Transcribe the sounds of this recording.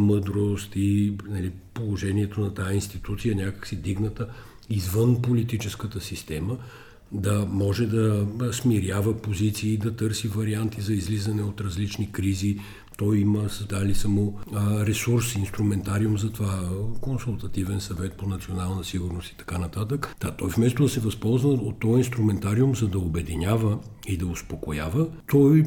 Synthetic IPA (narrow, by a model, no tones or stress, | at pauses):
məd̪ɾost̪inɐlipolˠoʒɛniɛt̪onɐt̪ainst̪it̪ut̪sijənʲakə̥ksid̪iɡnət̪ə | izvənpolit̪it͡ʃɛskət̪əsist̪ɛmə | d̪ɐmɔʒɛd̪ɐsmiɾʲavəpozit̪siːd̪ɐt̪ɤɾsivɐɾiant̪izɐizlizənɛot̪ɾɐzlit͡ʃnikɾizi | t̪ɔjiməsɐzd̪alisamoɾɛsuɾsinst̪ɾumɛnt̪aɾiumzɐt̪ovakonsulˠt̪ɐt̪ivɛnsɐvɛt̪̚ponɐt̪sionalˠnəsiɡʊɾnost̪i̥t̪ɐ̥kanɐt̪at̪əkd̪at̪ɔjfmɛst̪od̪ɐsɛvɐspɔlˠznəot̪ːɔinst̪ɾumɛnt̪aɾiʊmzɐd̪ɐobɛd̪inʲavə | id̪ɐospokojavət̪ɔj